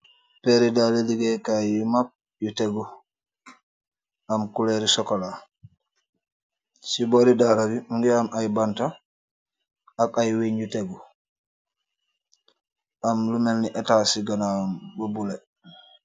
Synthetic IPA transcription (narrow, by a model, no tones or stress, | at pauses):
pɛɾidaleliɡɛkajumap̚ | juteɡu | ʔamkulɛɾisɔkɔla | sibɔɾidalabiuŋɡɛamajbanta | akajweɲd͡ʒuteɡu | ʔamlumɛlniʔɛtasiɡanambobulɛ